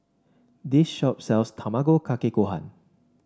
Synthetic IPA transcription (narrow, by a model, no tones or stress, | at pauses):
disʃɔp̚sɛlstʰamaɡokʰakekoɦã̰n